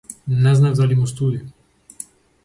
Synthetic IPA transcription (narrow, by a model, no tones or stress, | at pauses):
nɛznavd̪alimust̪ud̪i